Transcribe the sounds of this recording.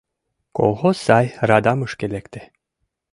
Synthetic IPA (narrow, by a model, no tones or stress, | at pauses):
ko̰lˠhosːɑjɾɑd̪ɑmɤʃkelʲekt̪e̥